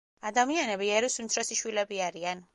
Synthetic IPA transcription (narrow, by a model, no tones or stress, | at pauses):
ad̪amianɛbiɛɾusimt̪sʰɾɔsiʃwilɛbiaɾian